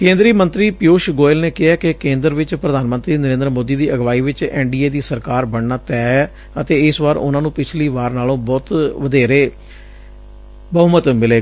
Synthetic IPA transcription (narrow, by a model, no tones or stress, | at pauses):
kẽːnd̪ɾiːmənt̪ɾiːpɪjoːʃɡoːɪlneːkɪɦɛːkekẽːnd̪əɾʋɪt͡ʃpɾəd̪aːnmənt̪ɾiːnəɾẽːnd̪ɾmoːd̪iːd̪iːʔəɡʋaːiːʋɪt͡ʃɛːɳɖiːeːd̪iːsəɾkaːɾbəɳnaːt̪ɛː | ət̪eːɪsʋaːɾʊ̰nãːnũːpɪt͡ʃʰliːʋaːɾnaːlõːbɔːt̪ʋəd̪eːɾeː | bəʊmət̪mɪleː